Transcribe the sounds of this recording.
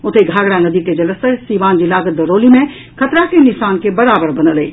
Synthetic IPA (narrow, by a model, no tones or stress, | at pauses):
ʊt̪ʰeɡʱaːɡɽanɐd̪it̪ed͡ʒɐləsəsiʋãːnd͡ʒilaːɡəd̪əɾoːlimẽ | kʰɐt̪ɾakenɪʃaːnkebɐɾaːbəɾbɐnəle